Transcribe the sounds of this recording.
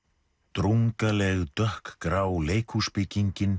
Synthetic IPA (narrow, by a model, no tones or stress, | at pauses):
t̪ɾuŋkalɛɣt̪œhkkɾaːwleːjkʰuspɪciɲcɪn